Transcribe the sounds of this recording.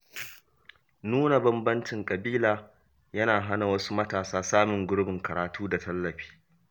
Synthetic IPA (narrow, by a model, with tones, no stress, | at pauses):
nuː˦na˨bɐ˦mbɐ˦nt͡ʃɪ˨ŋkʼɐ˨biː˦laː˨ | jɐ˦naː˨ɦa˦na˨wɐ˦su˦mɐ˦taː˨saː˦saː˦mɪ˨ŋɡʊ˦ɽbɪ˨ŋkɐ˨ɾaː˨tuː˦da˨tʰɐ˦lːɐ˨ɸi̥ː˦